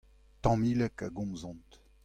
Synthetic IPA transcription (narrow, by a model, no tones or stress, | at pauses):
t̪ɑ̃milɛkaɡɔ̃mzɔ̃nt̪